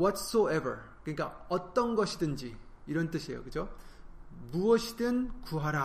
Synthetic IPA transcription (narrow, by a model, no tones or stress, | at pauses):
wʌts͈oebə̰ɾ | kɯɲik͈aʌt͈ʌnɡʌɕʰidɯnd͡ʑi | iɾʌnt͈ɯɕʰiejo̰kɯd͡ʑo | muʌɕʰidɯnkuɦaɾa